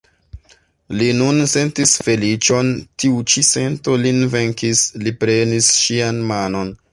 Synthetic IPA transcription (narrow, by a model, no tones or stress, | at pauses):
linunse̞ntisfe̞lit͡ʃo̞ntiut͡ʃise̞nto̞linve̞ŋkislipɾe̞nisʃianmano̞n